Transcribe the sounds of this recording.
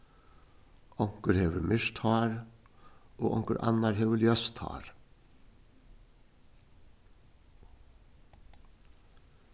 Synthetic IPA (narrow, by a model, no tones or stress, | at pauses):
ɔŋ̥kəɾhɛːʋəmɪʂt̪ʰhɑːɾ | oːʔɔ̰ŋkəɾʔa̰nːaɾɦɛʋəljœst̪ʰɑ̰ːɾ